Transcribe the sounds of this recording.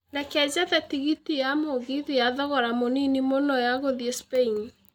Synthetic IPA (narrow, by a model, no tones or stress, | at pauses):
nɛkɛzaðɛtiɣitijamoɣiðijaðɔɣɔɾamoninimonɔjaɣoðiɛspein